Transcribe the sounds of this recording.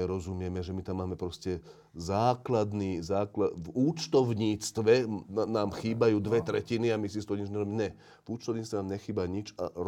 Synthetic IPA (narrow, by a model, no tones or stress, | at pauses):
ɛɾɔzumɪɛmɛʒɛmit̪amːaːmɛpɾɔscɛ | zaːklad̪niːzaːklavuːt͡ʃt̪ɔʊɲiːt͡st̪ʋɛnaːmxiːbajuːd̪ʋɛt̪ɾɛciniamis̬ist̪ɔɲid͡ʒɲɛɾɔbiɲɛ | vuːt͡ʃt̪ɔʊɲiːt͡st̪ʋɛnaːmɲɛxiːbaɲit͡ʃa̰ɾ